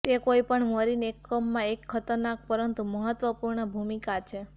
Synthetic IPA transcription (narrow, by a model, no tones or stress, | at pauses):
t̪ekoipəɳməɾinekːəmːãekʰːət̪əɾnak̚pəɾənt̪uməɦət̪ʋəpuɾɳəbʱumikat͡ʃʰe